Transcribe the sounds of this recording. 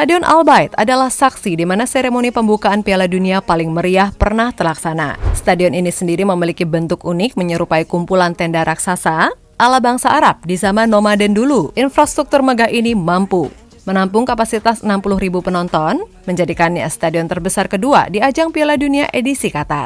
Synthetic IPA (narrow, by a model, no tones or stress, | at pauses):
st̪adiɔnʔa̰lbajt̪a̰dalahsaksidimanaseɾemonipəmbukaːnpialaduniapalɪŋməɾiahpərnaht̪ərlaksana̰st̪adiɔninisəndiɾiməmilikibənt̪ʊkunɪk̚məɲəɾupaikumpulant̪ɛndaɾaksasa | ʔalabaŋsaːɾap̚dizamanomadɛnduluʔinfɾast̪ɾuk̚t̪urməɡaɦʔinimampṵ | mənampʊŋkapasit̪asənampulʊhɾibupənɔnt̪ɔn | məɲd͡ʒadikanːja̰st̪adiɔnt̪ərbəsarkədua̰diad͡ʒaŋpialadunia̰ʔedisikat̪a̰r